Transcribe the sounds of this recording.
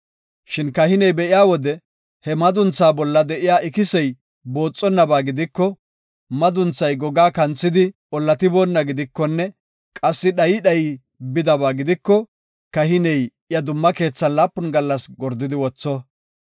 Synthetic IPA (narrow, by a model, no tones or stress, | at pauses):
ʃɪnkɐhɪnɛjbɛʔɪjaːwɔd̪ɛ | hɛmɐd̪ʊnt͡saːbɔlːɐd̪ɛʔɪjaːɪkɪsɛj | bo̞ːt͡sʼːɔnːɐbaːɡɪd̪ɪkːɔ | mɐd̪ʊnt͡sːɐjɡɔɡaːkɐnt͡sːɪd̪ɪ | ɔlːɐt̪ɪboːnːɐɡɪd̪ɪkːɔnːɛ | kʼɐsːɪɗɐjɪɗɐjɪ | bɪd̪ɐbaːɡɪd̪ɪkːɔ | kɐhɪnɛj | jɐd̪ʊmːɐke̞ːt͡sːɐnlaːpːʊnɡɐlːɐsɡɔɾd̪ɪd̪ɪwɔt͡sːɔ